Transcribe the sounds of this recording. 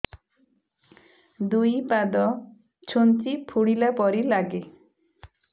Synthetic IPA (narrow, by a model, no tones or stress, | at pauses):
d̪ujpad̪ɔ | t͡ʃʰunt͡ʃipʰuɽ̃ilapɔɾilaɡe